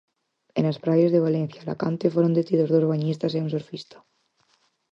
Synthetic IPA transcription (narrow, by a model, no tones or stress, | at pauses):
ḛnaspɾaβjazðeβ̞alen̟θjala̰kant̪efwoɾond̪et̪iðozðozβaɲist̪aseunsoɾfist̪ḁ